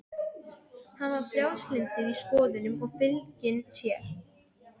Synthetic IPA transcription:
hanvaɾ̥fljawslɪnt̪ɪɾiskɔːðɪnʏmɔɣfɪlcɪnsjɛɾ

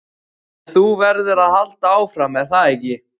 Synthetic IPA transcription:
θuvɛɾðɪɾaðhal̥t̪aaːwfɾamɛðθaðɛcːɪ

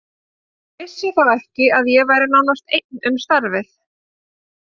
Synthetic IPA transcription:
vɪsjɛθaðɛhcɪaðjɛɣvajɾɪnawnast̪ejt̪̚nʏmst̪aɾvɪθ

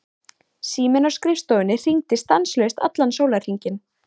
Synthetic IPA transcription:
siːmɪnɔskɾɪfst̪owɪnɪr̥iŋt̪ɪst̪anslœɥʏst̪a̰t̪lansowlaɾr̥iɲcɪn

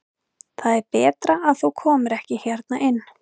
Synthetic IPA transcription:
θaðɛɾpɛːt̪ɾaʔːðθukʰɔːmʏɾɛhcɪçjɛɾt̪naʔɪnː

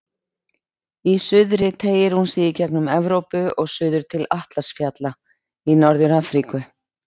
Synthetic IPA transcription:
isʏðɾɪt̪ʰeːjɪɾ̥hunsɪicɛknʏmɛvɾowpʏɔɣsʏːðʏɾ̥t̪ʰɪlaht̪lasfjat̪la | inɔɾðʏɾaːfɾikʏ

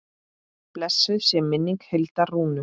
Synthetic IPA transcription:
plɛsːʏðsjɛmːɪnːiŋkhelt̪aruːnʏ

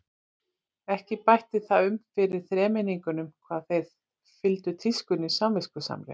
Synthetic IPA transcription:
ɛhcɪpajht̪ɪθaðʏmfɪɾɪɾ̥θɾɛːmɪniŋkʏnʏmkʰvaːðθejð | fɪlt̪ʏt̪ʰɪskʏnɪsamvɪskʏsa̰mlɛ̰

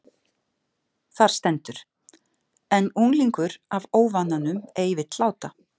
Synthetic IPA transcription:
θaɾ̥st̪ɛnt̪ʏɾ̥ | ɛnuŋliŋkʏɾavoːwvanːanʏmeːjvɪt̪laːwt̪a

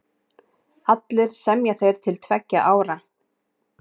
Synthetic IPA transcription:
at̪lɪɾ̥sɛmjaθejɾ̥t̪ʰɪlt̪ʰvɛcːa̰ʔaːwɾa

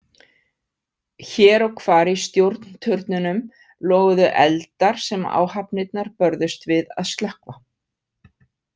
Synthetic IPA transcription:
çɛːɾɔɣkʰvaːɾist̪jowɾt̪nt̪ʰʏɾt̪nʏnʏm | lɔːɣʏðʏʔɛ̰lt̪aɾ̥sɛma̰ːwhapnɪt̪̚naɾpœɾðʏst̪vɪða̰ðst̪lahkva

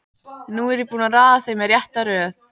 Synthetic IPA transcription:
nːuɛɾjipuːnaɾaːðaθejmɛɾjɛht̪aɾœːθ

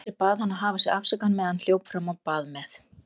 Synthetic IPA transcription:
ɪɾpaːðhanːaðɦaːvasɛɾafsakanmɛːðanl̥joːwpfɾamawpaːðmɛθ

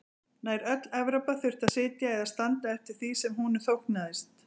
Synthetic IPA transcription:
naːjɾœt̪lɛvɾapaθʏr̥t̪aðsɪːt̪jaɛðast̪ant̪aɛft̪ɪɾ̥θisɛmhunʏ̥θowhk̪naðɪst̪

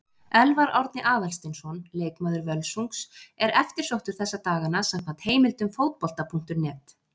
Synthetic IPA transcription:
ɛlvaɾɔwɾt̪nɪʔaːðalst̪ɪnsɔnleːjkmaːðʏɾvœlsuŋksɛɾɛft̪ɪɾ̥sowht̪ʏɾ̥θɛsːat̪aːɣanasamkʰvant̪heːjmɪlt̪ʏmfowt̪̚pɔl̥t̪apʰuŋ̥t̪ʏɾnɛːt̪

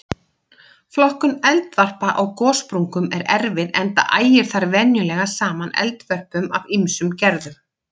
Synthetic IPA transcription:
flɔhkʏmɛlt̪var̥paʔawkɔːspɾuŋkʏmɛɾɛɾvɪðɛnt̪a̰ʔaːjɪɾ̥θaɾvɛnjʏlɛːɣasaːmanɛ̰lt̪vœr̥pʏmavimsʏmcɛɾðʏm

